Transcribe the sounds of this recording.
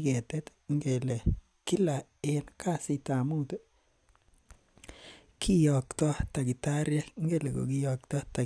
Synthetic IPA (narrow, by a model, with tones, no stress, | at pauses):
kɛ˨te˦t | ŋɡe˨le˨ | ki˦la˨ | e˦nka˦si˨ta˨mu˦to˦ | kʰi˦jɔ˨ktɔ˦ta˨ki˨ta˦ɾja˦ŋɡe˦le˨ko̰˨ki˦jɔ˨ktɔ˦ta˨